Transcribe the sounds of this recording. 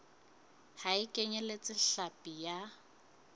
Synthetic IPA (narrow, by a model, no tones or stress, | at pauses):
haɪkʼeɲɛlet͡sʼɪɬapʼija